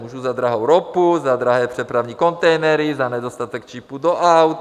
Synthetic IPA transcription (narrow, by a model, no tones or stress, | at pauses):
muʒuzad̪ɾaɦowɾɔpuzad̪ɾaɦɛːpr̝̥ɛpɾaʊɲikɔnt̪ɛjnɛɾizaɲɛd̪ost̪at̪ɛkt͡ʃiːpud̪ɔʔawt̪